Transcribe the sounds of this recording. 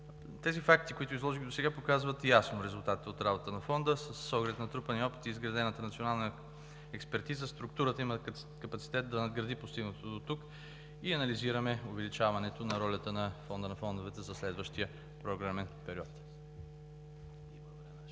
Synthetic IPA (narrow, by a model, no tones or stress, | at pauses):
t̪ɛzifak̚t̪ikʊit̪ʊizlˠɔʒilʲid̪osɛɡapokazvɐt̪jasnoɾɛzʊlˠt̪at̪it̪ot̪ɾabot̪t̪ənɐfɔnd̪əsɐsːɔɡlɛt̪nɐt̪ɾupɐniɔpi̥t̪iːzɡɾɐd̪ɛnət̪ənɐt̪sionalˠnə | ɛkspɛɾt̪izəst̪ɾuk̚t̪uɾət̪əimə | kɐpɐt̪si̥t̪ɛt̪̚d̪ɐnɐd̪ɡɾɐd̪ipost̪iɡnət̪od̪ot̪uk | iɐnɐliziɾɐmɛʊvɛlit͡ʃavɐnɛt̪onɐɾɔlʲət̪ənɐfɔnd̪ənɐfɔnd̪ovɛt̪ɛzɐslɛd̪vəʃt̪iə | pɾoɡɾamɛnpɛɾiɔt̪